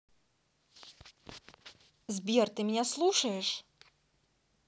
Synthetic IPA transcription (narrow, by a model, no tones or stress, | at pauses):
zʲbʲirt̪ɨmʲnʲɛslˠuʂɐjɛʂ